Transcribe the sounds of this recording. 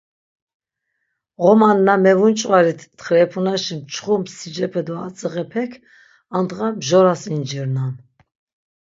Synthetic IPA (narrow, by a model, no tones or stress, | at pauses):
ʁɔmanːamɛvunt͡ʃʼvaɾit̪ʰːχɾɛpʰunaʃimt͡ʃʰχumsid͡ʒɛpʰɛd̪ɔat͡sʼəʁɛpʰɛkʰ | and̪ʁamʒɔɾasind͡ʒiɾnan